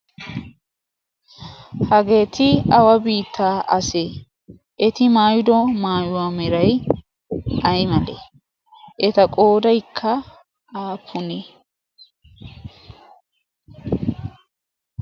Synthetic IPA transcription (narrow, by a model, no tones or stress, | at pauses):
hɐɡe̞ːt̪ɪɐwɐbiːt̪ːaːʔɐseː | ʔɛt̪ɪmaːjʊd̪ɔmaːjʊwamɛɾɐj | ɐjmɐlḛ | ʔɛt̪ɐkʼo̞ːd̪ɐjkʰːɐ | aːpʰːʊneː